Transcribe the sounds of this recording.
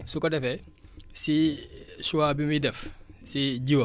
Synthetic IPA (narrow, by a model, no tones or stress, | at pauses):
sukɔdɛfɛ | sisuwabimidɛfsiɟiwɐ